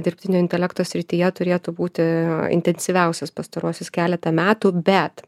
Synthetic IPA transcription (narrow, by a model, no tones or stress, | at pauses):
d̪ʲɪɾʲpʲt̪ʲɪnʲoːɪnʲt̪ʲɛlʲɛkt̪oːsʲɾʲɪt̪ʲiːjɛt̪ʊɾʲeːt̪uːbuːt̪ʲɪɪ̰nʲt̪ʲɛnʲsʲiʋʲɛˑʊsʲɛspɐst̪ɐɾuɔsʲɪskʲæːlʲɛt̪ɐmʲæːt̪ubʲɛt̪